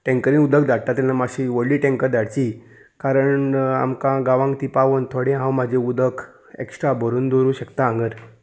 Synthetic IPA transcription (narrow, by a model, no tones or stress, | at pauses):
ʈẽŋkəɾĩnud̪əkd̪aɽʈat̪anːamaɕiʋəɽliːʈẽŋkəɾd̪aɽt͡ɕi | kaɾəɳa̰mkãɡaʋãŋk̚t̪iːpaʋənt̪ʰoɽẽɦãwmad͡ʑʱẽud̪ək | ḛksʈɾabʱəɾuːnd̪oɾuːɕəkt̪aːŋɡəɾ